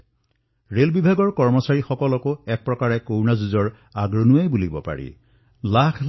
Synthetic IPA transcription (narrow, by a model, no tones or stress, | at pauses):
ɹelbibʱaɡɔɹkɔɹmɔsaɹixɔkɔlɔkoɛk̚pɹɔkaɹɛkownazuzɔɹ | aɡɹonuajbulibɔ̰pa̰ɹḭ | lakʰ